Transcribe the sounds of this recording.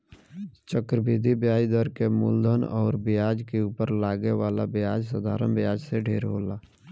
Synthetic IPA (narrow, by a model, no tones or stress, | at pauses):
t͡ʃəkɾəbʱiːd̪ʱibjaːjd̪əɾkemʊ̰ld̪ʱənɔ̰ːɾbɪjaːd͡ʒkeuːpəɾlaːɡeʋaːlabjaːd͡ʒsəd̪ʱaːɾəmbjaːd͡ʒseɖʱeːɾɦoːlaː